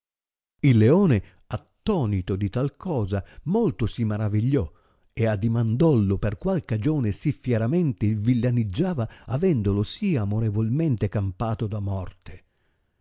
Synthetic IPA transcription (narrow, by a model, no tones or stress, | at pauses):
ilːeoːne | at̪ːɔːnit̪od̪it̪alkɔːzamolt̪ʊsimaɾaviʎːɔ | ead̪imand̪ɔlːoperkwalkad͡ʒoːnesifːjɛɾamɛnt̪elvilːanid͡ʒːaːvaavɛnd̪olosiamoɾevolment̪ekampaːt̪od̪amɔrt̪e̥